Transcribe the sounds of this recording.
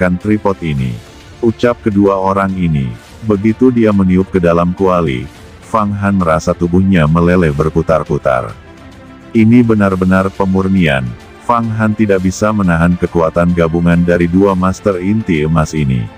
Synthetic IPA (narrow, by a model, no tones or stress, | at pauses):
kant̪ɾipɔt̪inḭ | ut͡ʃap̚kəduaoɾaŋinḭ | bəɡit̪udiaməniʊp̚kədalamkualḭ | faŋɦanməɾasat̪ubuhɲaməlelɛbərput̪arput̪a̰r | inibənarbənarpəmurnia̰n | faŋɦant̪idaʔbisamənaɦankəkuat̪anɡabuŋandaɾiduamast̪ərint̪iəmasinḭ